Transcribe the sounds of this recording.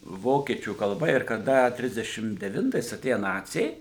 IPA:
ˈʋoːkʲiɛt͡ʃʲuː kɐlˠˈbɐ ɪr kɐˈdɐ ˈtʲrʲɪzʲdʲɛʃʲɪm dʲɛˈʋʲɪntɐɪs ɐˈtʲeːjɛ ˈnɑːt͡sʲɛɪ

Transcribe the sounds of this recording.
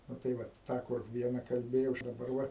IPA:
nʊ tɐɪ ˈʋɐt ˈtɑː kʊr ˈʋʲiɛnɐ kɐlʲˈbʲeːjɛʊ dɐˈbɐr ˈʋɐ

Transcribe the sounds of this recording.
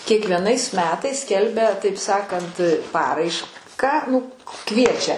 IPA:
kʲiɛkʋʲiɛˈnɐɪs ˈmʲæːtɐɪs ˈsʲkʲɛlʲbʲɛ tɐɪp ˈsɑːkɐnt ˈpɑːrɐɪʃkɑː nʊ ˈkʋʲiɛt͡ʃʲɛ

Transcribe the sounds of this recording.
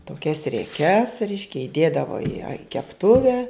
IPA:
toːˈkʲɛs rʲiɛˈkʲɛs ˈrʲɛɪʃʲkʲɛ ɪˈdʲeːdɐʋoː ɪ ɐ ɪ kʲɛpˈtʊʋʲɛ

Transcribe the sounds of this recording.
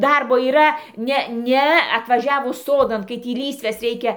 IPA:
ˈdɐrboː iːˈrɐ ˈnʲɛ ˈnʲɛ ɐtʋɐˈʒʲæːʋʊs ˈsoːdɐn kɐɪ ˈtʲiː ˈlʲiːsʲʋʲɛs ˈrʲɛɪkʲɛ

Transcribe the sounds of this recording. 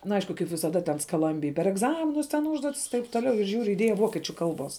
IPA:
nɐ ˈɐɪʃkʊ kɐɪp ʋʲɪsɐˈdɐ tʲɛn skɐˈlˠɐmʲbʲɪj pʲɛr ɛɡˈzɑːmʲɪnʊs tʲɛn ˈuːʒduɔtʲɪs ɪ tɐɪp toːˈlʲɛʊ ɪr ˈʒʲuːrʲʊ ɪˈdʲiɛjɛ ˈʋoːkʲiɛt͡ʃʲʊ ˈkɐlˠˌbuɔs

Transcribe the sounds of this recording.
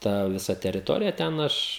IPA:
ˈtɐ ʋʲɪˈsɐ tʲɛrʲɪˈtoːrʲɪjɛ ˈtʲɛn ˈɐʃ

